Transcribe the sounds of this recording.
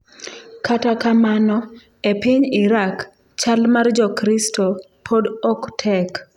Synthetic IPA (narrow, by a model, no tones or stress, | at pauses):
kʰatakamanɔ | epɪɲiɾak | t͡ʃalmard͡ʒɔkɾistɔ | pʰodɔktʰɛk